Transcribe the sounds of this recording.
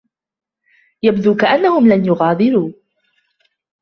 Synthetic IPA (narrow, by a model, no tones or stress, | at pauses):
jabd̪uːkaʔanːahʊmlanjʊɣɑːd̪ˤɨɾuː